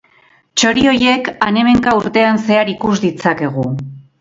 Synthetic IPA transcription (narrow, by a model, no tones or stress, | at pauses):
t͡ʃo̞ɾio̞je̞kane̞me̞ŋkauɾt̪e̞anse̞aɾikuzd̪it͡sake̞ɣ̞u